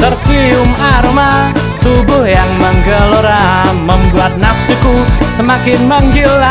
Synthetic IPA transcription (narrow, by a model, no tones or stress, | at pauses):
t̪ərt͡ʃiʊmaɾoma | t̪ubʊhjaŋmaŋɡaloɾaməmbuat̪̚nafsikusəmakɪnmaŋɡila